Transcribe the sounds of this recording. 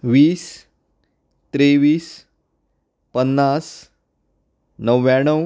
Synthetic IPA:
ʋiːs | t̪ɾeʋiːs | pənːas | nəʋjãɳəw

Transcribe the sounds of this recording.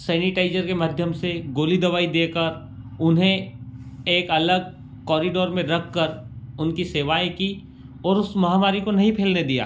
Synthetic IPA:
sɛːnɪʈaːɪzəɾkemaːd̪ʱjəmseɡoːlid̪ɐʋaːid̪eːkəɾ | ʊnɦẽ | eːkɐləɡ̚ | kɔːɾiɖoːɾmẽɾɐkʰːəɾʊnkiseːʋaːẽki | ɔːɾʊsmɐɦaːmaːɾikonɐɦĩpʰeːlned̪ija̰ː

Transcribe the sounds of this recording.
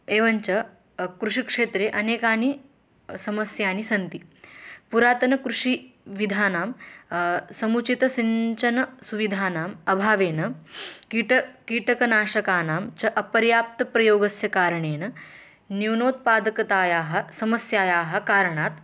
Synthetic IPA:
eːʋɐɲt͡ʃɐ | kɾuʂikʂeːt̪ɾeːʔɐneːkaːni | sɐmɐsjaːnisɐnt̪ipuɾaːt̪ɐnɐkɾuʂiʋid̪ʱaːnaːm | sɐmut͡ʃit̪ɐsiɲt͡ʃɐnɐsuʋid̪ʱaːnaːmɐbʱaːʋeːnɐkiʈɐkiːʈɐkɐnaːʃɐkaːnaːmt͡ʃɐʔɐpɐɾjaːp̚t̪ɐpɾɐjoːɡɐsjɐkaːɾɐɳeːnɐ | niwnoːt̪̚paːd̪ɐkɐt̪aːjaːɦɐ̆sɐmɐsjaːjaːɦɐ̆kaːɾɐɳaːt̪

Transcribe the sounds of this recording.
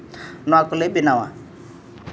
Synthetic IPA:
nʊakʊlebinawa̰

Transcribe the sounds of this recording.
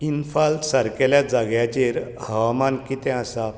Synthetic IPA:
infalt̪səɾkɛljad͡zaɡjat͡ɕeɾhəʋamankit̪ɛ̃əsa

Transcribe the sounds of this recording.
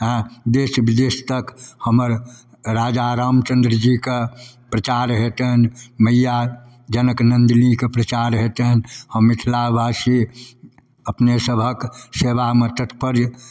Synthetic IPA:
ɦɛ̃d̪eːʃbɪd̪eːst̪əkhəməɾ | ɾaːd͡ʒaɾaːmt͡ʃə̃nd̪ɾəd͡ʒikapɾət͡ʃaːɾɦet̪eɦənməja | d͡ʒənəknə̃nd̪nikepɾət͡ʃaːɾɦet̪eɦənhəmːɪt̪ʰlabʱaːsi | əpnesəbʱəkseːʋamət̪ət̪ʰpəɾj

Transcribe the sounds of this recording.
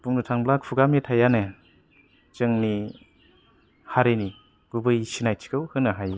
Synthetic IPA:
b̥uŋnɯtʰaŋblak̚pʰuɡametʰajanɯ | t͡ʃɯŋni | haɾeni | ɡ̥ubɯjsinajtʰi̥kʰɯwhɯnɯɦaj

